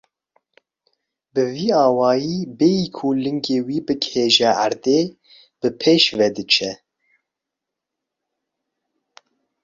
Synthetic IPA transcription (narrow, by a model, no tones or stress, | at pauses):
bɨviːɑːwɑːjiːbejikʰulɨŋɡeːwiːbɨkheːʒɛa̰ɾd̪eː | b̥ɨpʰeːʃvɛd̪ɨt͡ʃʰɛ